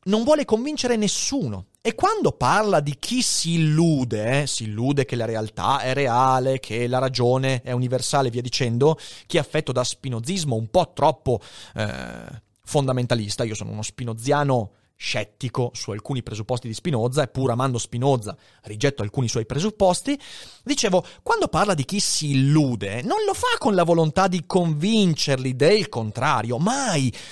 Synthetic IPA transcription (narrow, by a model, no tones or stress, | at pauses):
noɱvwɔːlekoɱvint͡ʃeɾenesːuːno̰ | ekːwand̪oparlad̪ikʰisiːlːuːd̪esiːlːuːd̪ekelaɾealt̪a̰ɛreaːlekʰelaɾad͡ʒoːneɛuniversaːleviad̪it͡ʃɛnd̪ok̟iafːɛt̪ːod̪aspinod̪zizmoumpɔt̪ːɾɔpːoɛ̰ | fond̪ament̪alist̪aiːosoːno̰ṵnospinod̪zjaːno | ʃɛt̪ːikosualkuːnipɾezupːɔst̪id̪ispinoːd̪zaepːuːɾamand̪ospinoːd̪za | rid͡ʒɛt̪ːoalkuːniswɔjpɾezupːɔst̪id̪it͡ʃeːvokwand̪oparlad̪ik̟isiːlːuːd̪enonlofakːonlavolont̪ad̪ikoɱvint͡ʃerlid̪elkont̪ɾaːɾjomaj